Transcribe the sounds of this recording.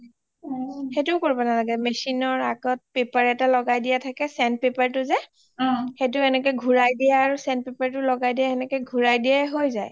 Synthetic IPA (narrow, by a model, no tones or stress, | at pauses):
xetʊkoɹibanalaɡɛmesinɔɹaɡɔt̚pepaɹɛtalɔɡajdijatʰakɛsɛnpepaɹtʊzɛ | xet̬ʊɛnɛkɔjɡʱuɹajdijaːɹusɛndpepaɹtʊlɔɡajdijaɛnɛkɔjɡʱuɹajdijaɦojzaj